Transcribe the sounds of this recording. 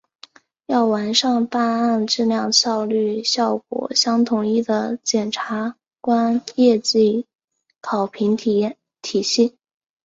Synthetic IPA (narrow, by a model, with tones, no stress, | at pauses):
jɑ˥˩ʊwa˧˥nʂɑ˥˧ŋpa˥˧na˥˧nʈ͡ʂɻ̩˥˧ljɑ˥˧ŋɕjɑ˥˧ʊly˥˧ɕjɑ˥˩ʊkwɔ̰˨˩ɕjɑ˥ŋt̪ʰʊ˨˩ŋi˥˩d̪ə˨t͡ɕjɛ˨˩nʈ͡ʂʰa˧˥ | kwa˥njɛ˥˧t͡ɕi˥˩ | kʰɑ˨˩ʊpʰi˧˥ŋ | t̪ʰi˨˩ɕi˥˩